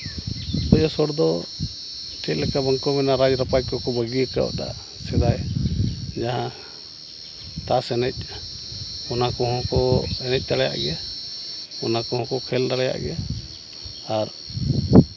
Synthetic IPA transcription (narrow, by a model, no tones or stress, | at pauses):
pəd͡ʒɔsɔɽd̪ɔ | ʈʰɛt̪̚lɛkabəŋkɔmɛnaɾad͡ʒɾapajkɔkɔbəɡiɛka̰da̰ | sɛd̪aj | d͡ʒaɦã | t̪asɛnɛc̚ˀ | ɔnakɔɦɔ̃kɔɛnɛc̚ˀt̪aɽɛja̰ʔɡɛja | ɔnakɔhɔ̃kɔkʰɛldaɽɛja̰ʔɡɛjaː | ɾ